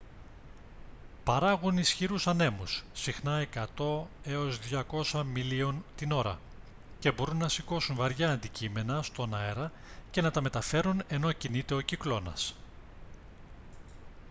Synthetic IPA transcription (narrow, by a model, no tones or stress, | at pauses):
pɐɾɐɣunisçiɾusɐne̞musːixnɐe̞kɐt̪o̞e̞o̞zðʝɐko̞sɐmilio̞nt̪ino̞ɾɐ̰ | ce̞bo̞ɾunːɐsiko̞sunvɐɾʝɐːnd̪icime̞nɐst̪o̞nɐeɾɐ | ce̞nɐt̪ɐme̞t̪ɐfe̞ɾune̞no̞cinit̪eo̞ciklo̞nɐ̰s